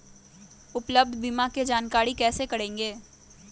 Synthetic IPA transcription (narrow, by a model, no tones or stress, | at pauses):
ʊpləb̚d̪ʱbimaked͡ʒaːnkaːɾikɛːsekɐɽẽːŋɡeː